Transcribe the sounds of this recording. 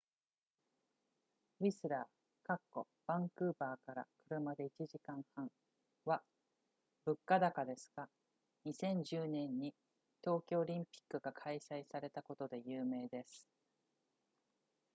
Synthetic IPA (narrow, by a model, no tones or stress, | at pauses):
ɾʲisɨɾaː | kakːo̞̰ | b̥ãŋkɯ̟ːbaːkaɾa̰kɯ̟ɾɯ̟mad̪e̞it͡ɕiʑikãɰ̃hãŋ̃ | βa | bɯ̟kːad̪akad̪e̞sɨ̥ɡa | ɲ̟isẽ̞ɲ̟d͡ʑɨːnẽ̞ɲ̟ːi | t̪o̞ːkʲo̞ːɾʲĩmpʲi̥kːɯ̟ɡakʰaisaisaɾe̞t̪ako̞t̪o̞d̪e̞jɯːme̞ːd̪e̞sɨ̥